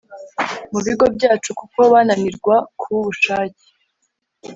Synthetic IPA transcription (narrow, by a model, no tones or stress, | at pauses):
muβiɡo̞bɟaːt͡ʃukuko̞βananiɾɡwakʰuβuβuʃaːci̥